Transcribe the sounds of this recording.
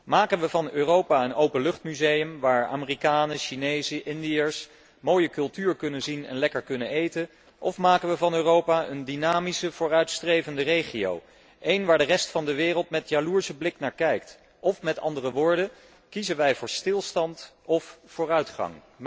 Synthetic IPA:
maːkənʋəvɑnøːrowpaːənowpənlɵχtmyzejəmʋaːɹa̰ːmɪrikaːnəʃinejzəʔɪndijəɹs | moːjəkɵlˠtyːɹkɵnənzinɛ̰nlɛkəɹkɵnənejtə | ʔɔfmaːkənʋəvɑnøːrowpaʔəndinaːmisəv̥ʊːrœɥtstrejvəndərejχio̰w | ʔejnʋaːɹdərɛstfɑndəʋɪːrəlˠtmɛtjaluːɹsəblɪknaːɹkɛjkt | ʔɔfmɛtɑ̰ndərəʋʊːɹdə | kizənʋɛjvʊːɹstɪlˠstɑnt | ɔfːʊːɹœɥtχɑ̰ŋ

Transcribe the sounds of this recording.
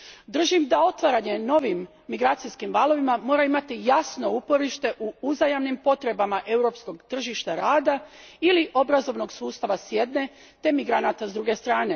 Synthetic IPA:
d̪r̩ʒimd̪ao̞t̪ʋaɾaɲe̞no̞ʋimː | iɡɾaːt̪sijskimʋaːlˠo̞ʋimamo̞ːɾaimat̪ijasno̞upo̞ɾiʃt̪e̞ʔuuzajamnimpo̞t̪ɾe̞bamaʔe̞wɾo̞ːpsko̞ɡt̪r̩ʒiʃt̪aɾaːd̪ailiʔo̞bɾazo̞ʋno̞ɡsuːst̪aʋasje̞d̪ne̞ | t̪e̞miɡɾanat̪azd̪ɾuɡe̞st̪ɾaːne̞

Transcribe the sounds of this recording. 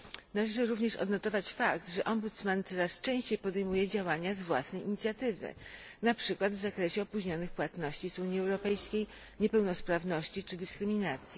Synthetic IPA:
nalɛʐɘɾuvɲɛʂɔ̰d̪nɔt̪ɔvat͡ɕfakt̪ʐɛʔɔmbut̪smant̪sɔɾast͡ʂɛ̃w̃ɕt͡ɕejpɔd̪ɛjmujɛd͡ʑawaɲazvwa̰snɛjʔiɲit̪sʲjat̪ɘvɘ̰ | napʂɘkwad̪vzakɾɛɕɛɔpuʑɲɔnɘxpwat̪nɔɕt͡ɕizuɲjiɛwɾɔpɛjskʲej | ɲɛpɛwnɔspɾavnɔɕt͡ɕit͡ʂɘd̪ɘskɾɘmʲinat̪sʲji

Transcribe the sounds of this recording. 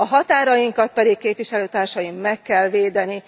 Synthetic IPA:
ɒɦɒt̪aːɾɒjiŋkɒt̪̚pɛd̪ikkeːpʋiʃɛløːt̪aːrʃɒjimːɛkːɛlʋeːd̪ɛni

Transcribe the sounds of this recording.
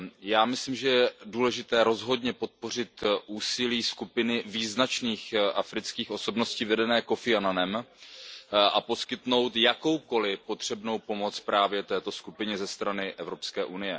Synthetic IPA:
jaːmɪsliːmʒɛjɛduːlɛʒɪt̪ɛːɾo̞zɦo̞dɲɛpo̞t̪̚po̞r̝ɪt̪ʔuːsɪliːskupɪnɪviːznat͡ʃniːxʔafɾɪt͡skiːxʔo̞so̞bno̞sciːvɛdɛnɛːko̞fɪananɛm | ʔapo̞skɪt̪no̞wt̪jako̞wko̞lɪpo̞t̪r̝̥ɛbno̞wpo̞mo̞t͡spɾaːvjɛt̪ɛːt̪o̞skupɪɲɛzɛst̪ɾanɪʔɛvɾo̞pskɛːʔunɪjɛ

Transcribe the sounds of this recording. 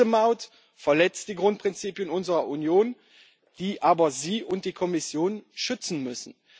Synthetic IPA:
əmaʊt | fɛɐlɛt͡std̥iːɡʁʊnt̚pʁ̥ɪnt͡siːpjənʊnzəʁɐʔunjoːn | d̥iːʔaːbɐziːʔʊnt̚d̥iːkʰɔmɪsjoːnʃʏt͡sn̩mʏsn̩

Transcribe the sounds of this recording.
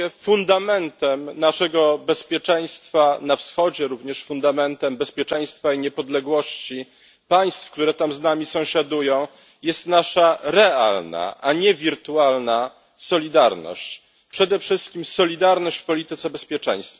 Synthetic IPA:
ɛfund̪amɛnt̪ɛmnaʂɛɡɔbɛspʲjɛt͡ʂɛj̃st̪fanafsxɔd͡ʑɛɾuvɲɛʂfund̪amɛnt̪ɛmbɛspʲjɛt͡ʂɛ̃j̃st̪faiɲɛpɔd̪lɛɡwɔɕt͡ɕi | paj̃st̪fkt̪uɾɛt̪amznamʲisɔ̃w̃ɕad̪ujɔ̃w̃ | jɛst̪naʂaɾɛalna̰ʔaɲɛvʲiɾt̪ualna | sɔlʲid̪aɾnɔ̰ɕt͡ɕ | pʂɛd̪ɛfʂɘst̪̚kʲimsɔlʲid̪aɾnɔɕt͡ɕfpɔlʲit̪ɘt̪sɛbɛspʲjɛt͡ʂɛ̰̃j̃st̪f

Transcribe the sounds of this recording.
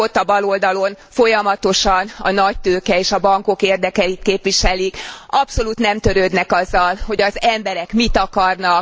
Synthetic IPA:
ot̪ːɒbɒlo̞ld̪ɒlo̞n | fo̞jɒmɒt̪o̞ʃɒnɒ̰nɒc̚t̪øːkɛeːʃɒbɒŋko̞keːrd̪ɛkɛit̪keːpʋiʃɛlikɒpso̞luːt̪nɛmt̪ø̞ɾøːd̪nɛkɒzːɒlho̞ɟɒzɛmbɛɾɛkmit̪ɒkɒrnɒk

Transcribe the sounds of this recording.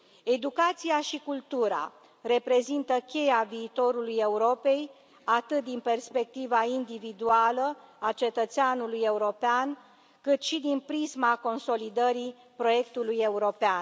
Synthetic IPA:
e̞d̪ukat̪sijaʃikult̪uɾa̰ | re̞pɾe̞zint̪əkʲe̞javiːt̪o̞ɾuluje̞uɾo̞pe̞j | at̪ɨt̪̚d̪inpe̞rspe̞k̚t̪ivaind̪ivid̪ualəat͡ʃe̞t̪ət̪seanuluje̞uɾo̞pean | kɨt̪ʃid̪inpɾizmako̞nso̞lid̪əɾi | pɾo̞je̞kt̪uluje̞uɾo̞pean

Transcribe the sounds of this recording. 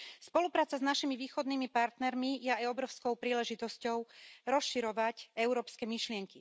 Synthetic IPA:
spɔlupɾaːt͡saznaʃimiʋiːxɔd̪niːmipaɾt̪nɛɾmijɛajɔbɾɔʊskɔʊpɾiːlɛʒit̪ɔscɔʊɾɔsʃiɾɔʋacɛʊɾɔːpskɛmiʃlɪɛŋki

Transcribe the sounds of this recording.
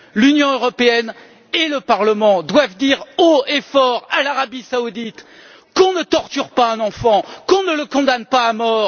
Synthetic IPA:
lynjɔ̃øʁɔpeɛn | eləpaʁləmɑ̃d̪wavd̪iʁoefɔʁalaʁabisaud̪it̪ | kɔ̃nət̪ɔʁt̪yʁpaɛ̃nɑ̃fɑ̃kɔ̃nələkɔ̃d̪anpaːmɔːʁ

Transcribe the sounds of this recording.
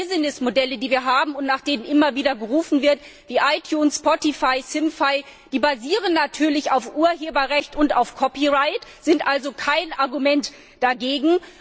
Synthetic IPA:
ɪzɪnɪsmodɛlədiːviːɐɦaːbm̩ʊntnaːχd̥eːnənʔɪmɐviːdɐɡəʁuːfn̩vɪɐt | v̥iːʔaɪtʰjuːnsspɔtifaɪsɪmfaɪ | d̥iːbaziːʁ̞ənːatʰyːɐlɪçaʊfʔuːɐɦeːbɐʁɛçtʊntaʊfkʰɔpiʁaɪtz̥ɪntʔalzokʰaɪnʔaɐɡumɛnt | d̥aɡeːɡŋ̩

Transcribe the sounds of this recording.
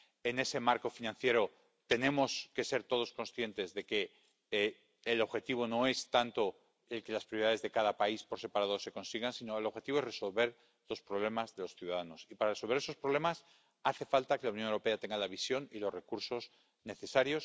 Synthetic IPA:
e̞ne̞se̞maɾko̞finãn̟θje̞ɾo | t̪e̞nẽ̞mo̞ske̞se̞ɾt̪o̞ð̞o̞sko̞nsθje̞nt̪e̞zðe̞ke̞ | lo̞βxe̞t̪iβ̞o̞no̞e̞st̪ant̪o̞ | e̞lke̞laspɾjoiaðe̞zðe̞kaðapaispo̞ɾse̞paɾaðose̞ko̞nsiɣansino̞e̞lo̞βxe̞t̪iβoere̞so̞lβe̞ɾ | lo̞spɾo̞β̞le̞mazðe̞lo̞sθjuðaðano̞sipaɾaresolβe̞ɾesospɾoβle̞mas | aθe̞falt̪ake̞lauwnjonewɾo̞peat̪e̞ŋɡalaβ̞isjo̞nilo̞sre̞kuɾso̞s | ne̞θe̞saɾjo̞s

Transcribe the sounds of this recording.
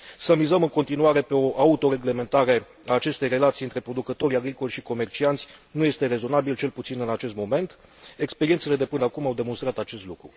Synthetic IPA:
səmizəmɨŋko̞nt̪inuaɾe̞pe̞o̞ʔaut̪o̞ɾe̞ɡle̞me̞nt̪aɾe̞ | aːt͡ʃe̞st̪e̞jre̞lat̪sijɨnt̪ɾe̞pɾo̞d̪ukət̪o̞ɾʲjaɡɾiko̞lʲʃiko̞me̞rt͡ʃiant̪sʲnuje̞st̪e̞ɾe̞zo̞nabilt͡ʃe̞lput̪sinɨnat͡ʃe̞st̪mo̞me̞nt̪e̞kspe̞ɾiet̪se̞le̞d̪epɨnəakumawd̪e̞mo̞nst̪ɾat̪at͡ʃe̞st̪lukɾu

